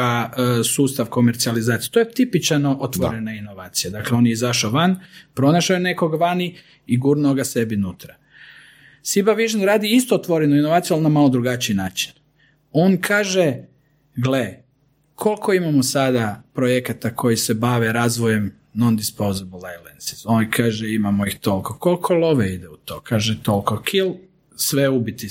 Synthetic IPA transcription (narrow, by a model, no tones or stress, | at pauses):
asuːst̪aʋko̞meɾt̪sializaːt̪ije̥t̪o̞jet̪ipit͡ʃanoʔot̪ʋoɾenaino̞ʋaːt̪sijad̪akleo̞njeizaʃoʋanpɾo̞naʃajene̞ko̞ɡʋani | iɡuːɾnoɡase̞binuːt̪ɾa | sibaʋiʒenɾaːd̪iist̪oot̪ʋo̞ɾenoino̞ʋaːt̪sijalnamalod̪ɾuɡat͡ʃiinaːt͡ʃi̥n | o̞nkʰaːʒe | ɡle | kʰo̞lˠkʰo̞imamosad̪apɾojekat̪akʰo̞jise̞baʋeɾaːzʋoje̞m | nond̪ispozobulˠalensi̥sonikʰaːʒɛimamoixt̪o̞lkoko̞lkʰo̞lˠoʋeid̪ɛut̪o̰ːkʰaːʒɛt̪o̞lˠkokʰilˠ | sʋeubit̪i